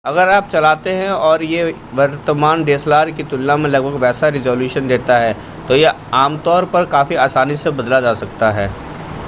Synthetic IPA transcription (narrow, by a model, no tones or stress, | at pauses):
ɐɡəɾaːp̚t͡ʃɐlaːt̪eɦɛ̃ɔːɾje | ʋɐɾt̪əmaːnɖeːslaːɾkit̪ʊlːamẽlɐɡ̚bʱəɡʋɛːsaɾɪzoːljuːʃənd̪eːt̪aɦɛː | t̪oje | aːmt̪ɔːɾpɐɾkaːfiaːsaːnisebɐd̪lad͡ʒaːsɐk̚t̪aɦɛː